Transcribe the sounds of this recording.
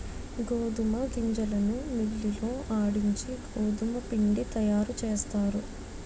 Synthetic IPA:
ɡoːd̪umɐɡ̪iɲd͡ʒɐlɐnumilːiloːʔaːɽiɲt͡ʃiɡoːd̪umɐpiɳɖit̪ɐjaːɾut͡ʃeːst̪aːɾu

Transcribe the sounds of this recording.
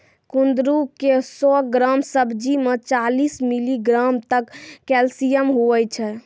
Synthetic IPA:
kund̪ɾukesɔɡɾamsəbʱd͡ʒimet͡ʃalismiliɡɾamt̪əkːɛlsijəmɦoɛjt͡ʃʰɛ

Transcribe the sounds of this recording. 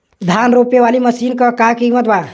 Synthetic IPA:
d̪ʱanɾoːpeʋaːliməsiːnkəkakimət̪ba

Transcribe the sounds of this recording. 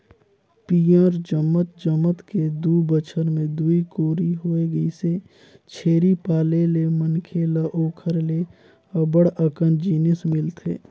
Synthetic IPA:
piːəɾd͡ʒəmət̪d͡ʒəmət̪ked̪ubət͡ʃʰəɾmẽd̪uikoːɾiɦoːeɡəise | t͡ʃʰeːɾipaːlelemənkʰeləʔoːkʰəɾle | əbəɽəkə̃nd͡ʒiːnɪsmɪlt̪eː

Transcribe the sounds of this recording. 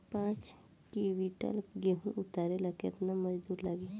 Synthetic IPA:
pãːt͡ʃ | kiʋiʈə̰lɡeɦũʔʊt̪aːɾelɐkḛt̪namɐd͡ʒd̪uːɾləɡeː

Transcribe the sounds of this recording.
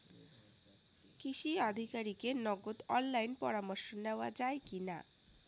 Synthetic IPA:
kiʃiad̪ʱikaɾikenɔɡot̪ɔnlajnpɔɾamoɾʃondeoad͡ʑaekina̰

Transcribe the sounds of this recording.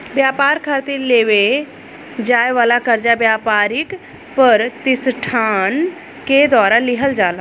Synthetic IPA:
bjaːpaːɾkʰaːɾt̪iɾleːʋe | d͡ʒaːjʋaːlakəɾd͡ʒabjaːpaːɾɪk | pəɾt̪ɪsʈʰaːn | ked̪waːɾalɪɦəld͡ʒaːla

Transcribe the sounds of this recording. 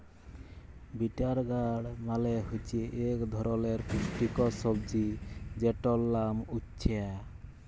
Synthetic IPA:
biʈaɾɡaɽmaleɦot͡ʃieʔekd̪ʱɔɾɔleɾpusʈikɔsɔbd͡ʒid͡ʒeʈɔlːamutːt͡ʃʰia

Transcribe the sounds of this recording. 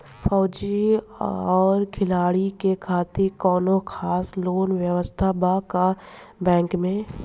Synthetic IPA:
fʰɔːd͡ʒi | ɔːɾkʰɪlaːɽikekʰaːt̪ɪɾkɔːnõkʰaːsloːnʋjəʋəst̪ʰabaka | bɛ̃ːŋkmẽ

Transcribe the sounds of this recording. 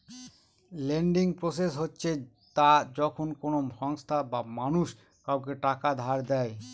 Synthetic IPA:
leɳɖiŋpɾosesɦotːɕʰe | t̪ad͡ʑɔkʰonkonoʃɔŋst̪ʰabamanuʃ | kawkeʈakad̪ʱaɾd̪ɛe

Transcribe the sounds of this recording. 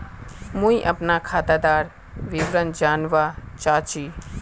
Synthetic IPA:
mũːĩʔəpnakʰaːd̪aːd̪aːɾ | ʋiʋɾənd͡ʒaːnʋat͡ʃaːt͡ʃiː

